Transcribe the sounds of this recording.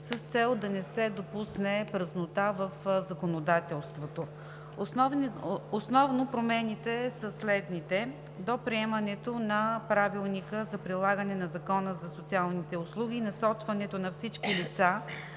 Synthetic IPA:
səst̪sɛlˠd̪ɐnɛsɛd̪opusnɛpɾəznot̪avəfzɐkonod̪at̪ɛlˠst̪vot̪o | n | osnɔvnopɾomɛnit̪ɛsəslɛd̪nit̪ɛ | d̪opɾiɛmənɛt̪onɐpɾavilˠnikəzɐpɾilˠaɡənɛnɐzɐkɔnəzɐsot̪sialˠnit̪ɛʊslˠuɡ̟ʲiːnɐsɔt͡ʃvɐnɛt̪onɐfsit͡ʃkilit̪sa

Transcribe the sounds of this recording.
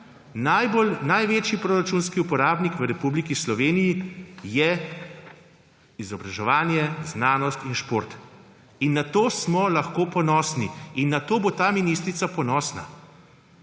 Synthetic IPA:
najbolnajʋeːt͡ʃjipɾoːɾat͡ʃuːnskiupɔɾaːbnikʋəɾɛpublikislɔʋeːnijijɛ | izɔbɾaʒɛʋaːnjɛznaːnɔst̪inʃpoːɾt̪ | inːat̪oːsmɔlaxkoːpɔnɔːsniinːat̪oːbot̪aːminiːst̪ɾit̪sapɔnɔːsna̰

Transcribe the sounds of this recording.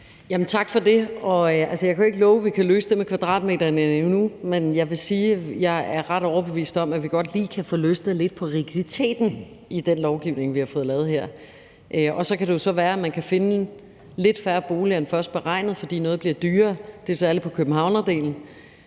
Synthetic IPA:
jæmn̩t͡sʰɑ̈ɡ̥fɒ̽de̝ɒ̽ælsəjɑ̈kʰæjoeɡ̥əlɔːʊəʋikʰæløːsəd̥e̝mekʰʋæd̥ʁɑ̰̈ːd̥me̝̰ːd̥ɐnnumenjɑ̈ɪʋe̝siːjɑ̈ɪæɐʁɑd̥ɒʊɐb̥e̝ʋḭːsd̥ɒ̽mæʋiɡ̥ɒ̽d̥liːkʰæfɔːløsd̥ð̩ˠle̝d̥̚pʰɒ̽ʁiɡ̥id̥it͡sʰe̝̰ːd̥n̩ | ʔid̥enlɒʊɡ̥iʊne̝ŋʋihɑ̈fɔ̽ːð̞̩ˠlɛːð̩ˠheɐ̰ | ʔɒ̽sɒ̽kʰæɾ̥e̝jo̝sɒ̽ʋæːɐæmænkʰæfe̝nə | le̝d̥fæɐb̥o̝ːliɐn̩fɶɐsd̥̚b̥eʁɑ̈ɪ̰nð̩ˠfɒ̽d̥ḭːnɔ̽ːð̞̩ˠb̥liɐd̥yːɐːd̥e̝sæɐləpʰɒ̽kʰøb̥m̩ɦɑ̈ʊ̰nɐd̥e̝̰ːln̩

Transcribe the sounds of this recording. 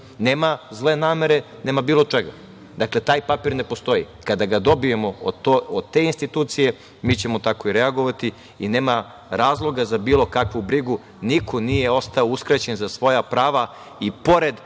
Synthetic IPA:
neːmazle̞naːme̞ɾe̞ | neːmabiːlˠo̞t͡ʂe̞ɡa̰ | d̪akle̞t̪aːjpapiɾne̞post̪o̞jḭ | kad̪aɡad̪o̞bije̞mood̪̚t̪e̞inst̪it̪uːt̪sije̞ | miːt͡ɕe̞mo̞t̪ako̞iɾeaɡo̞ʋat̪i | ine̞ːma | ɾaːzlˠo̞ɡazabiːlˠo̞kakʋubɾiɡu | nikʰo̞nije̞o̞st̪aouskɾat͡ɕe̞nzasʋo̞japɾaːʋa | ipo̞ɾe̞d̪

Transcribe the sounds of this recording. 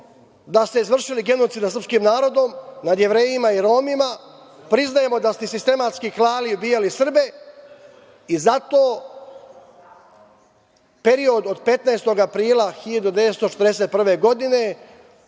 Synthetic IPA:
d̪ast̪eizʋr̩ʃiliɡe̞no̞t̪siːd̪sɾr̩pskiːmnaːɾo̞d̪o̞mnad̪je̞ʋɾe̞ːjimaiɾo̞ːmima | pɾiznaje̞mo̞d̪ast̪isist̪e̞mat̪skiklaːliubiːjalisr̩be̞ | izat̪o̞ː | pe̞ɾio̞d̪o̞d̪pe̞t̪naest̪o̞ɡapɾiːlaxiʎad̪ud̪e̞ʋet̪st̪ot͡ʃe̥t̪ɾd̪ese̞t̪̚pr̩ʋe̞ɡo̞d̪ine̞

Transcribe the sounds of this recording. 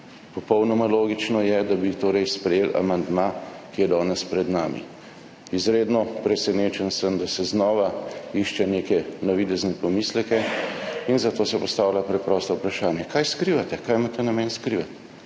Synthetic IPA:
pɔpɔwnɔmaloːɡit͡ʃnɔjɛd̪abit̪oːɾɛjspɾɛjeːla̰mand̪maːkijɛd̪ɔːnɛspɾɛd̪naːmḭ | izɾeːd̪nɔpɾɛsɛneːt͡ʃɛnsəmd̪asɛznɔːʋaiʃt͡ʃɛnekɛnɔʋid̪ɛznɛpɔmiːslɛkɛinzat̪oːsɛpɔst̪aːwlʲapɾɛpɾɔːst̪ɔupɾaʃaːnjɛkaːjskɾiːʋat̪ɛkaːjmaːt̪ɛnamɛːnskɾiʋat̪

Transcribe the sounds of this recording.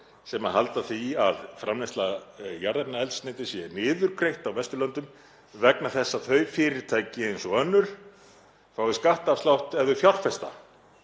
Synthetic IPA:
sɛmaɦalt̪aθiaðfɾamnejst̪lajaɾðɛpnaɛlsnɪːt̪ɪsjɛnɪːðʏɾkɾejht̪awvɛst̪ʏlœnt̪ʏm | vɛknaθɛsːaθœɥfɪːɾɪɾt̪ʰaːjcɪejnsɔœnːʏɾ̥ | faːwɪskaht̪aft̪awht̪ɛvðʏfjawr̥fɛst̪a̰

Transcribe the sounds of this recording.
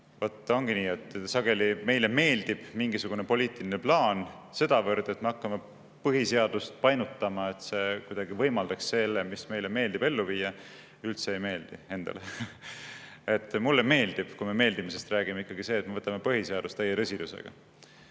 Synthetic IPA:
vot̪ˑːo̞ŋɡ̥iniːet̪ːsɑɡ̥e̞lime̞jle̞me̞ːld̪̥ib̥miŋɡisuɡ̥une̞po̞lʲiːt̪ˑilineplɑːn | se̞d̪̥ɑvɤrd̪e̞t̪me̞ɑkːɑme | pɤɦise̞ɑd̪̥ust̪̚pɑjnut̪ˑːɑmɑe̞t̪se̞kujd̪̥ɑɡivɤjmɑld̪̥ɑksːelːemisme̞jleme̞ːld̪̥ibe̞lːuviːjɑ | ylt̪seejme̞ːld̪̥ie̞nd̪̥ɑ̰le | et̪ːˑmulːeme̞ːld̪̥ib̥kume̞me̞ːld̪imise̞st̪ræːɡime̞ikːɑɡ̥ise̞ːt̪mevɤt̪ːˑɑme̞pɤɦise̞ɑd̪̥ust̪ːejeɾɤsid̪usḛɡ̥ɑ̰

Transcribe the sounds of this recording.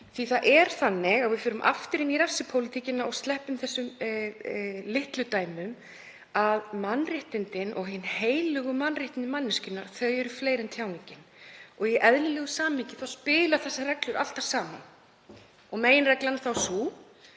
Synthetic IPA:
θviθaʔɛɾ̥θanːɪɣaɣvɪfʏːɾʏmʔa̰ft̪ɪɾɪniɾafsɪpʰowlɪt̪ʰicɪnːaɔɣst̪lɛhpʏmθɛsːʏm | lɪht̪lʏt̪aːjmʏm | aðmanːrɪht̪ɪnt̪ɪnʔɔɣɦɪnːheːjlʏɣʏmanrɪht̪ɪnɪmanːɪscɪnːaθœjɛɾʏfleːjɾɛnt̪ʰjaːwnicɪnɔɣiʔɛðlɪlɛɣʏsaːmicɪθawspɪːlaθɛsːarɛklʏɾʔal̥t̪ḁsaːman | ɔɣmeːjɪnrɛklanθawsu

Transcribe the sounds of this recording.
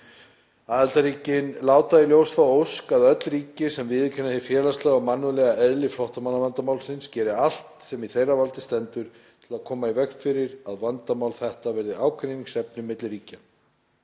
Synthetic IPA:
aːðɛlt̪aɾiːcɪnlaːwt̪ailjowsθawowskaðœt̪lriːcɪsɛmvɪðcʰɛnːahɪfjɛːlast̪lɛɣamanːʏlɛɣaɛðlɪflɔht̪amanːavant̪amawlsɪnscɛːɾɪal̥t̪sɛmiθejravalt̪ɪst̪ɛnt̪ʏɾ̥t | t̪ʰɪlaðkʰɔːmaivɛkfɪɾɪɾaðvant̪amawlθɛht̪avɛɾðɪaːwkʰɾeniŋsɛpnʏmːɪt̪lɾiːca

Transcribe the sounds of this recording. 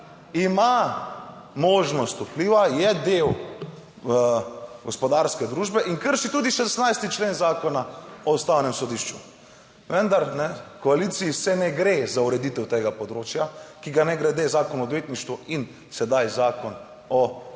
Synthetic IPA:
ima | mɔːʒnɔst̪upliːʋajɛd̪ew | ɡɔspɔd̪aɾskɛd̪ɾuːʒbɛʔiŋkəɾʃit̪ud̪iʃɛsnajst̪it͡ʃlenzaːkɔnaɔst̪awnɛmsɔd̪iʃt͡ʃu | ʋənd̪aɾnɛkɔalit̪siːsɛnɛɡɾezauɾɛd̪it̪ɛwt̪eɡapɔd̪ɾoːt͡ʃjakiɡanɛɡɾɛd̪ezaːkɔnɔd̪ʋeːt̪niʃt̪ʋuin | sɛd̪ajzaːkɔn | ɔ

